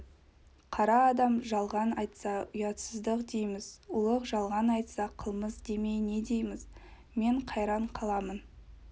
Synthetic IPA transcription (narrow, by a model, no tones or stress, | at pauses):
qʰɑɾɑːd̪ɑmʒɑlˠʁɑnɑjt̪sɑʊjɑt̪səzd̪əqd̪e̞jmɪzʊlˠəqʒɑlˠʁɑnɑjt̪sɑqʰəlˠməzd̪e̞me̞jne̞d̪e̞jmɪz | me̞ɴqʰɑjɾɑɴqʰɑlˠɑmən